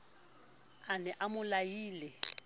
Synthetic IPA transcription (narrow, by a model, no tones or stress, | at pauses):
anɛʔamʊlajiːlɛ